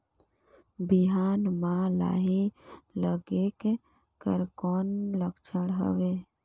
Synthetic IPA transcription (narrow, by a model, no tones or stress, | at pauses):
biɦaːnmãla̰ɦeləɡeke | kəɾkɔːnləkt͡ʃʰəɽɦə̰ʋe